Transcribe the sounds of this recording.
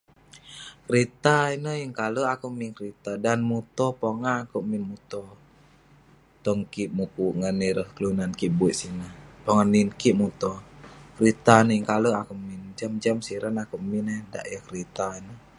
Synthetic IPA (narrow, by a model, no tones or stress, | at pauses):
kɾit̪ainəjəŋkaləakuʔmiŋkəɾit̪adanmut̪ɔpɔŋakuʔminmut̪ɔ | t̪ɔŋkiʔmukuʔŋəniɾəhkəlunankiʔbuiʔ̪sinahpɔŋaninkiʔmut̪ɔkɾit̪anəjəŋkaləakumind͡ʒamd͡ʒamsiɾanakuʔminɛda̰ʔjəkɾit̪ainə